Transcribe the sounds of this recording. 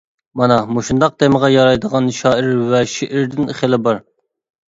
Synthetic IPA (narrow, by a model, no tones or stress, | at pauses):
mɑnɑmoʃund̪ɑq̚d̪eməʁɑjɑɾɑjd̪əʁɑnʃɑːɪɾwɛʃiʔɪɾd̪ɪnχelˠɪbɑɾ